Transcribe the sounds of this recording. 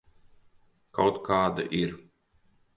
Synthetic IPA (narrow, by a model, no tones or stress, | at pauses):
kawt̪kaːd̪a̰ʔiɾ